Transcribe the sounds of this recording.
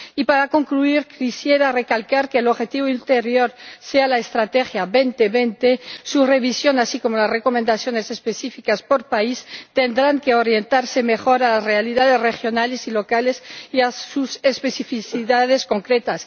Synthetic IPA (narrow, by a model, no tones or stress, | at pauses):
ipaɾako̞ŋkluiɾkisjeɾare̞kalkaɾkeːloβxe̞t̪iβoilt̪eɾjo̞ɾsealaest̪ɾat̪exjaβent̪eβent̪esure̞βisjo̞nasiko̞molasreko̞mẽnd̪aθjo̞ne̞sespesifikaspo̞ɾpaist̪end̪ɾaŋke̞oɾje̞nt̪aɾse̞me̞xo̞ɾalasrealiðaðe̞zrexjo̞nalesilo̞kale̞siasusespesifiθiðað̞esko̞ŋkɾet̪as